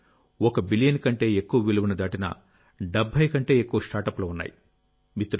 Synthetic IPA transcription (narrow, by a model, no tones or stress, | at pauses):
ɔkɐbilijɐnkɐɳʈe̞ːekːuʋɐʋiluʋunɐd̪aːʈinɐ̰ | ɖebʱːɐjkɐɳʈe̞ːekːuʋɐsʈaːɾʈɐplɐːunːa̰ːji | mit̪ːɾ